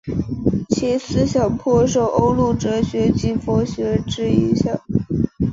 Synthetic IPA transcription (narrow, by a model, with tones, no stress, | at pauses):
t͡ɕʰi˧˥sɹ̩˥ɕjɑ˨˩ŋpʰɔ˥ʂ̬o˥˩ʊʔo˥ʊlu˥˩ʈ͡ʂɤ˧˥ɕɥɛ˧˥t͡ɕi˥˩fo˧˥ɕɥɛ˧˥ʈ͡ʂɻ̩˥i˧˥ɕjɑ˥˩˦